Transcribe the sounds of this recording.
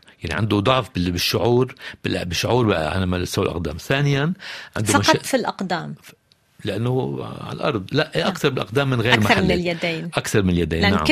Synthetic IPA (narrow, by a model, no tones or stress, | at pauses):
jaʕnḭʕɪ̰nd̪ud̪ˤɑʕfbɪbɪʃːʊʕuːɾbɪlbɪʃːʊʕuːɾbʕa̰namasawalʔɑ̰qd̪a̰ːmθaːnɪjanʕɪ̰nd̪ufmʃɑtˤfilʔɑqd̪aːm | lɪʔanːʊʕa̰lʔɑ̰ɾˤd̪ˤlaʔʔʔakt̪ɑɾˤbɪlʔɑqd̪aːmːɪnɣeːɾmaħɾalːljad̪eːnʔakt̪ɑɾˤmɪnɪljad̪ḛːnnːaʕa̰